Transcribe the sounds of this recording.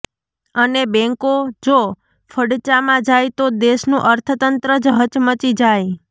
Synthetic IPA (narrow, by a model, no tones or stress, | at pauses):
ənebɛ̃ŋkod͡ʒo | fʰəɽt͡ʃamãd͡ʒajt̪od̪eʃnũʔəɾt̪ʰət̪ənt̪ɾəd͡ʒɦət͡ʃmət͡ʃid͡ʒaj